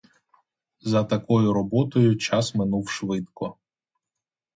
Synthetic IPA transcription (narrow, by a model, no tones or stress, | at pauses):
zɐt̪ɐkɔjʊɾɔbɔt̪ɔjʊt͡ʃɑsmɪnuwʃʋɪd̪kɔ